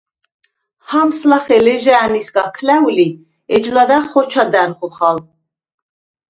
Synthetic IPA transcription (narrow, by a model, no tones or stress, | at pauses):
hamslaχɛlɛʒaːnisɡakʰlæuli | ɛd͡ʒlad̪aχɔɾt͡ʃʰad̪ænχɔχal